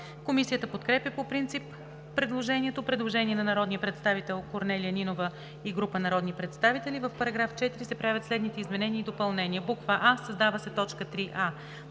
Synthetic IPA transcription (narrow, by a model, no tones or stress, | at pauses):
komisijət̪əpot̪kɾɛpʲjəpopɾint̪sipː | ɾɛd̪lˠoʒɛnʲiɛt̪opɾɛd̪lˠoʒɛnʲiɛnɐnɐɾɔd̪nijəpɾɛt̪st̪avit̪ɛlˠkoɾnɛliəninovə | iɡɾupənɐɾɔd̪nipɾɛt̪st̪avit̪ɛlivəfpɐɾɐɡɾaft͡ʃɛt̪iɾisɛpɾavʲət̪slɛd̪nit̪ɛizmɛnɛnʲiəid̪opɐlˠnɛnʲiəbukvəʔasəzd̪avəsɛt̪ɔt͡ʃkət̪ɾiʔa